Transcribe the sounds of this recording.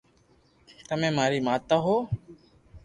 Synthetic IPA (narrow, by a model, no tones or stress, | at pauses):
t̪əmẽːmaːɾiːmaːt̪aːɦoː